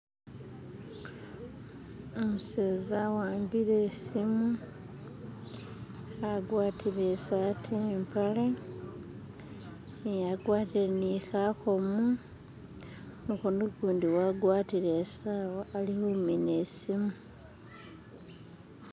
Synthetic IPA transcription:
omuseːzawaːmbiɾesimu | aɡwaːtʰilesatʰimpʰala | jaɡwaːtiɾenixaxomu | nixonukuːndiwaɡwaːtilesaːlihuminesimu

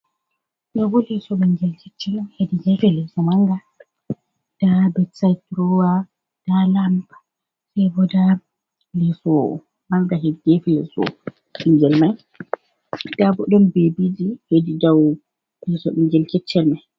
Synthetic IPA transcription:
ɗɔɡɔlɛsɔɓɛŋɡɛlt͡ʃɛt͡ʃːɛlmɛnhediɡɛfɛlɛsɔmaŋɡa | d̥abɛtsajtɾɔwa | d̥alampḁ | sɛjbɔda | lɛsɔ | maŋɡaɦediɡɛfɛlɛ̰sɔ̰ | ɓiŋɡɛlmaj | d̥abɔɗɔnbebid͡ʒihedidaw | lɛsɔɓɛŋɡɛlt͡ʃɛt͡ʃːɛlmaj

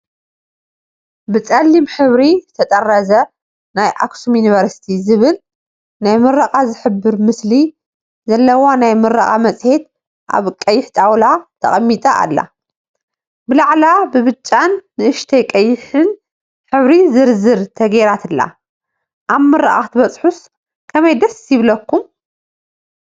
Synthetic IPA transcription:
bɨt͡sʼɐlːimħɨβɾizɨt̪ʰɐt̪ʼɐrɐzɐ | najʔa̰ksumjunivɐɾsi̥t̪ʰizɨβɨl | najmɨɾɐqʼazɨħɨbːɨɾmɨsli | zɐlːɐwonajmɨɾaχʼamɐt͡sʼhe̞t̪ | ʔa̰βkʼɐjːɪħt̪ʰʼawlat̪ʰɐχʼɐmːit̪ʼɐʔa̰lːa̰ | bɨlaʕlabɨβɨt͡ʃʼːanːɨʔɨʃt̪ʰɐjkʼɐjːɪħɨn | ħɨβɾizɨɾzɨɾt̪ʰɐɡeɾat̪ʰɨlːa̰ | ʔaβmɨɾa̰ʔʼa̰xt̪ʰɨβɐt͡sʼħus | kʰɐmɐjd̪ɐsjɪβlɐkːum

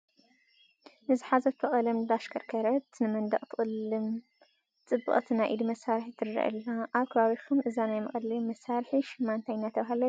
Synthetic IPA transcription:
ʔɨziħazɐt̪ʰɨχʼɐlɐmd̪aʃkʰɐɾkʰɐɾɐt̪nɨmɐnd̪ɐ̰χʼt̪ʰɨχʼɨlːɨm | t͡sʼɨbːɨ̰χʼt̪ʰinajʔid̪imɐsaɾħit̪ʰɨɾɾɐ̰ʔɨ̰lːaʔaβkʰɐβaβikʰumʔɨzanajmɐχʼɐlimɐsaɾħiʃɪmːant̪ʰajnːat̪ʰɐβaɦalɐ

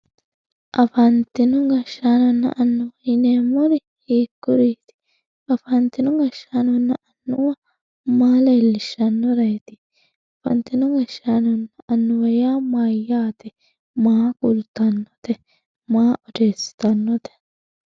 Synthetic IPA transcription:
ʔɐfɐnt̪ɪnʊɡɐʃːaːnɔnːɐ̰ʔɐnːʊwɪneːmɔɾɪ | hiːkːʊɾiːt̪ɪ̥ | ɐfɐnt̪ɪnʊɡɐʃːaːnɔnːɐʔɐnːʊwɐ | maːleːlːɪʃːɐnːɔɾɐjt̪ɪ | ɐfɐ̰nt̪ɪnʊŋɡɐʃːaːnɔnːɐʔɐnːʊwɐjaːmaːjːaːt̪ɛ | maːkʼʊlt̪ɐnːɔt̪ɛ | maːʔɔd̪eːsɪ̥t̪ɐnːɔt̪ɛ̥

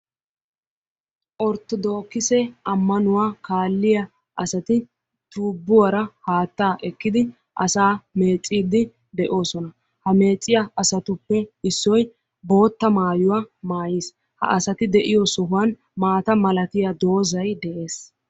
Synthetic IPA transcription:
ʔɔɾt̪ːɔd̪o̞ːkːɪsɛɐmːɐnʊwaːkaːlːɪjɐ | ʔɐsɐt̪ɪ | t̪uːbːʊwɐɾɐhaːt̪ːaːʔɛkːɪd̪ɪ | ʔɐsaːme̞ːt͡sʼːiːd̪ɪ | d̪ɛʔo̞ːsɔnɐ | hɐme̞ːt͡sʼːɪjɐʔɐsɐt̪ʊpːɛɪsːɔj | bo̞ːt̪ːɐmaːjʊwamaːjis | hɐ̰ʔɐsɐt̪ɪd̪ɛʔɪjɔsɔɦʊwɐn | maːt̪ɐmɐlɐt̪ɪjɐd̪o̞ːzɐjd̪ɛʔe̞ːs

